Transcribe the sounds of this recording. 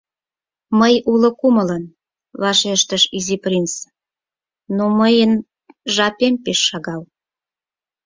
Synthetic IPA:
məjulə̆kumələn | βɑʃeʃt̪əʃiziprins | noməjən | ʒɑpempeʃːɑɣɑl

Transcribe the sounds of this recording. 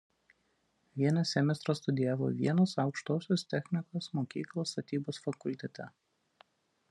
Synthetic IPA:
ʋʲiɛnʲɛsʲɛmʲɛst̪ɾoːst̪ʊd̪ʲɪjæːʋo̰ʋʲḭɛnɐsɐʊkʃt̪oːsʲoːst̪ʲɛxʲmʲɪkoːsmoːkʲiːklˠoːst̪ɐt̪ʲiːboːsfɐkʊlʲt̪ʲɛt̪ʲɛ

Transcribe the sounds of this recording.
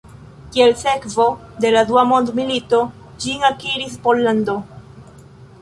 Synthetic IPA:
kielse̞kvo̞ | d̪e̞lad̪uamo̞nd̪milito̞ | d͡ʒiŋakiɾis̬polːando̞

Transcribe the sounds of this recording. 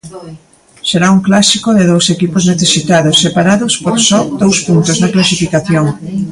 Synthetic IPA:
seɾauŋklasikoðeðowsekipozneθesit̪aðosːepaɾaðospoɾsɔd̪owspunt̪oznɐklasifikaθjoŋ

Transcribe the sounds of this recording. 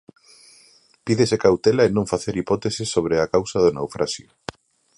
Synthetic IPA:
piðesekawt̪elaenõɱfaθeɾipɔt̪esɪsːoβ̞ɾeakawsɐðʊnawfɾʔasjʊ

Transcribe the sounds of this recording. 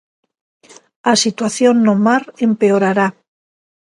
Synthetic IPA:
asit̪waθjo̞nːomaɾe̞mpe̞oɾaɾa

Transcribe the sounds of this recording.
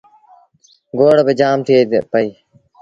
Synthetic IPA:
ɡoːɽbed͡ʒaːmt̪ʰipəiː

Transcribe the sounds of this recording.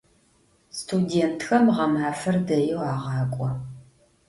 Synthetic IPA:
stʰudeːntʰxɐmʁɐmaːfɐrdɐjɪwɑːʁɑːkʷʼɔ

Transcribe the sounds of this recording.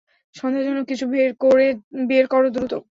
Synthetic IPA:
ʃɔnd̪ed͡ʑonːokit͡ɕʰubeɾkoɾebeeɾkɔɾod̪ɾut̪o

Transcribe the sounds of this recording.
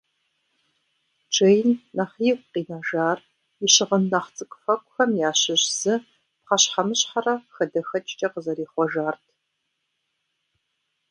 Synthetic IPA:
ʈ͡ʂʼejnnaχiːkʷʼqiːnaʒaːr | ɪɕɪʁənːaχt͡sʼɨkʷʼfɐkʷʼxɐmjaːɕɪʑz̥ɨ | p̚χɐɕħamɨɕħarɐxɐdɐxɐt͡ʃʼt͡ʃʼɐqəzɐɾiːχʷɔʒaːrtʰ

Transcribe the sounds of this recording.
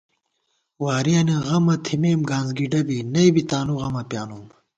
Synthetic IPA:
waːɾiɐːniɣɐmɐt̪ʰimeːmɡaːnzɡiɖɐbinɐibit̪aːnuɣɐmɐpjaːnuːm

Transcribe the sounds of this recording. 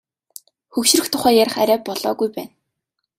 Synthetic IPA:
xɵkʃ̆rɘ̆xt̪ʰʊχæːjaɾə̆χaɾʲæːpːɔɮɔːɣujpæːn

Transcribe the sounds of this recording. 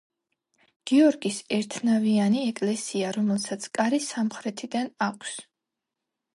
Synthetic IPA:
ɡ̥iɔɾɡisɛɾt̪ʰnavianiɛkʼlɛsiaɾɔmɛlˠsat̪sʰkʼaɾisamχɾɛt̪ʰid̪anakʷʰs

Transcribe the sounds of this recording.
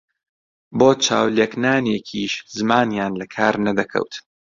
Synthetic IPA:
boːt͡ʃʰa̰ːwleknaːnekʰiːʃzɨmaːnjaːnlɐkʰaːɾnɐd̪ɐkʰɐ̰wt̪

